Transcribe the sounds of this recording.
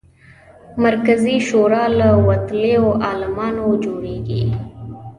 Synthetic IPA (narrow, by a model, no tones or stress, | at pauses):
məɾkəziʃoːɾaləwɐt̪leoʔɑːlɪmɑːnod͡ʒoːɾeːɡḭ